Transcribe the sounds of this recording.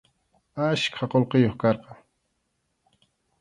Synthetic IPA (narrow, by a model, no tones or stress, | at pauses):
aʃkʰaqolqejoχkɑɾqɑŋ